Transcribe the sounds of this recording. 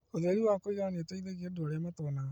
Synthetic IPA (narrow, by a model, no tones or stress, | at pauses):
oðeɾiwakoiɣaneetoiðeɣiedoaɾeamatɔna